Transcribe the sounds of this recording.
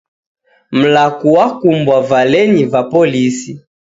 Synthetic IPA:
m̩lakuwakumbwavalɛnivapɔlisi

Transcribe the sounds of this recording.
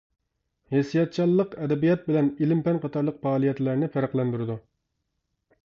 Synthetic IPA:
hesijɑt̪̚t͡ʃʰɑlˠːəqɛd̪ɛbijɑt̪̚bɪlɛnilɪmpɛnqʰɑt̪ʰɑɾlˠəq̚pɑːlˠijɛt̪læɾnɪfæɾæqlˠɛnd̪uɾɨd̪u

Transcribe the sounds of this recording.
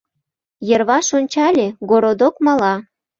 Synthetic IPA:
jə̆rβɑʃonʲt͡ɕɑlʲeɡoɾod̪okmɑlɑ

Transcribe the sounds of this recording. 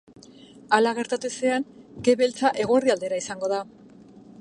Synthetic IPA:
alaɣ̞e̞ɾt̪at̪use̞aŋke̞βe̞lt͡saʔe̞ɣ̞o̞eriald̪e̞ɾaisaŋɡo̞ða

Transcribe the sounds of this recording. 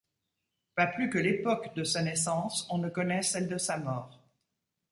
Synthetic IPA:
paplykəlepɔkd̪əsanɛsɑ̃sɔ̃nəkɔnɛsɛld̪əsamɔːʁ

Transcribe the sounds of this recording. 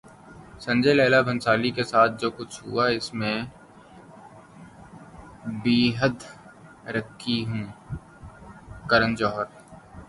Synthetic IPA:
sɐ̃ɲd͡ʒeleːlabʱə̃nsaːlikesaːt̪̚ʰd͡ʒoːkʊt͡ʃʰɦʊ̰aɪsmẽ | biːɦəd̪ | ɾəkʰːiɦũː | kəɾənd͡ʒɔːɦəɾ

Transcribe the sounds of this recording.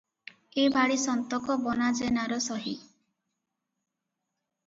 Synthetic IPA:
ebʱaɽisɔnt̪ɔkɔbɔnad͡ʒenaɾɔsɔɦi

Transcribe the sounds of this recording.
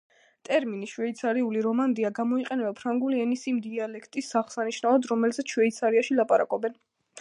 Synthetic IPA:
t̪ʼɛɾminiʃwɛit̪sʰaɾiuliɾɔmand̪iaɡamɔiqʼɛnɛbapʰɾaŋɡuliɛnisimd̪ialɛkʰt̪ʼisːaʁsaniʃnavad̪ɾɔmɛlzɛt̪ʃwɛit̪sʰaɾiaʃilˠapʼaɾa̰kʼɔbɛn

